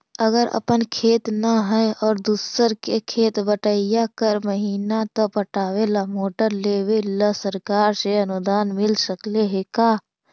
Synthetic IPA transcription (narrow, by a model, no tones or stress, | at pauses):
əɡəɾə̰pənkʰeːt̪naɦɛɔːɾd̪usəɾkekʰeːt̪bəʈəijakəɾməɦiːnat̪opəʈaːwelamoːʈəɾleːwelasəɾkaːɾseɐnʊd̪aːnmɪlsəkleɦekaː